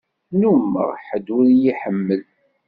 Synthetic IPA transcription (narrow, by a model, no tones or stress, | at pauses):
numːə̰ʁħəd̪uɾjiħəmːəl